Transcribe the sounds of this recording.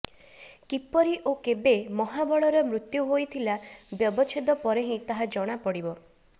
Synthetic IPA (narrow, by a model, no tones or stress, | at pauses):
kipɔɾiʔokebemɔɦabɔɭɔɾɔmɾut̪juɦojt̪ʰilabjɔbɔt͡ʃʰed̪ɔpɔɾeɦĩt̪aɦad͡ʒɔɽ̃apɔɽibɔ